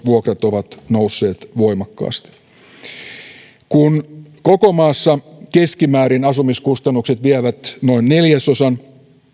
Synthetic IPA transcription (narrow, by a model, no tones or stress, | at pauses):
ʋuokrɑt̪o̞ʋɑt̪nousːe̞ːt̪ʋo̞jmɑkːɑ̰ːst̪i̥ | kunko̞ko̞mɑːsːɑke̞skimæːɾinɑsumiskust̪ɑnːukse̞t̪ʋiæʋæt̪no̞inːe̞ljæso̞sɑn